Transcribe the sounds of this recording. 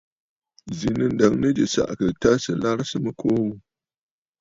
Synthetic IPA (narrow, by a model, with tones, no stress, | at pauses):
zi˨nɨ˦nda˨ŋnə˦d͡ʒə˨sa̰˨ʔkə˨ta˦sə˨la˦ɾsɨ˦mə˦kʰo˦